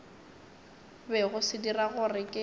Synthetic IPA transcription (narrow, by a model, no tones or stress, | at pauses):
bɛɣʊsɪdiraɣʊrɪkʼɪ